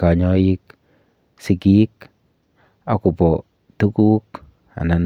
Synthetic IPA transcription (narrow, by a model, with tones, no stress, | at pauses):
ka˨ɲɔ˦ji˦k | si˨ɡik | a˦ku˨pɔ˨ | t̪u˦ku˦k | a̰˨na˨n